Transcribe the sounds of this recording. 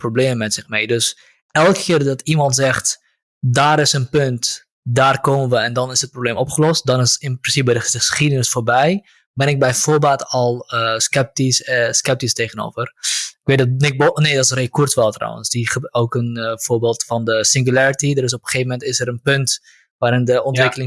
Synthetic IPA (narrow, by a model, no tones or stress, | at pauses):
probleːməmɛtsɪxmeːdøs | ɛlˠkkʰɪːrdɑtimɑntzɛχt | daːɾɪsənpønt | daːrkoːmənʋəɛndɑnɪsət̚probleːmɔpχəlɔst̚dɔnɪsɪnprɪnsip̚bɛdəəsχidənɪsfoːrbɛj | bɛnɪk̚bɛjvoːbaːtɔlˠəskɛp̚tisskɛp̚tisteɣəno̰ːvərɪkʋeːdɔnɪk̚boneːdɔtsreːkurtʋɛlˠtra̰wə̰nsdiχəokənfoːbeːlˠtfɑndəsɪŋɡulaɹitidəɾɪs̬ɔpəχeːvəmɛntɪsəɾənpɵnt | ʋaːɾɪndəʔɔntʋɪkəlɪŋ